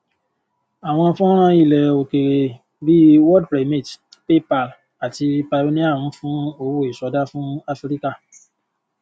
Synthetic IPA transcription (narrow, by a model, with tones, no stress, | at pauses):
a˨w̃ɔ̃˧fũ˦ɔ̃˦ɾ̃ã˧i˦˨lɛ˨o˨ke˨ | bi˦wɔ˦d̚pɾe˨˦mĩ˦˨tpe˦pa˦˨l | a˨ti˧pa˧˨lo˨˦nĩ˦a˦˨ɾ̃ũ˨˦fũ˦o˦˨wo˦e˨sɔ˨˦da˦fũ˦a˦fɾi˦ka˦˨